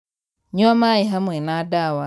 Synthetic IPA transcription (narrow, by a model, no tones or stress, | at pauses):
ɲɔamaiɦamwɛnadawa